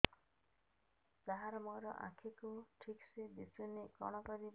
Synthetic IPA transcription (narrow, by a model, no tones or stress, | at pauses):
taɦaɾɔmɔjɾɔ̰ʔa̰kʰikuʈʰikseb̪isunekɔ̰ɽ̃ɔkɔɾi